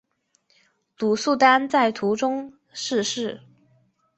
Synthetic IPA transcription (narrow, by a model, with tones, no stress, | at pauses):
lu˨˩su˥˩t̪a˥nt͡sa˥˩ɪt̪ʰu˧˥ʈ͡ʂʊ˥ŋ | ʂɻ̩˥˧ʂɻ̩˥˩